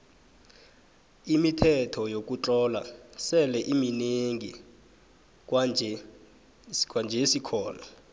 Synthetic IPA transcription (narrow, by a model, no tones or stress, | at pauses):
imitʰɛtʰɔjok̬ʼut͡ɬɔːla̰sɛlɛʔimineŋi | kwad͡ʒʱɛ | kʼwand͡ʒʱɛsikʰɔːla